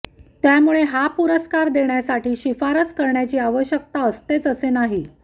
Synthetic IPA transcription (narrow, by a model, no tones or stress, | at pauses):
t̪jamuɭeɦapuɾəskaɾd̪eɳjasaʈiːɕifaɾəskəɾɳjat͡ɕiːaʋəɕjək̚t̪aəst̪et͡səsenaɦi